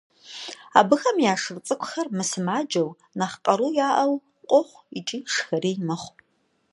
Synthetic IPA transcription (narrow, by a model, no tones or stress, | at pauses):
a̰ːbɨxɐmjaːʂɨrt͡sʼɨkʷʰʼxɐrmɨsɨmaːd͡ʒɐw | naχqʼɐɾuːjaːʔɐw | qʷʼɔχʷit͡ʃʼiːʂxɐreːjmɐχʷ